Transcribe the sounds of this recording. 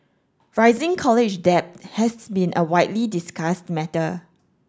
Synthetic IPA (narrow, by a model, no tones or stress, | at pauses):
ɹaɪzɪ̃ŋkʰɔlɪd͡ʒdɛp̚thɛsbĩnʔəwaɪtlidɪskastmɛtə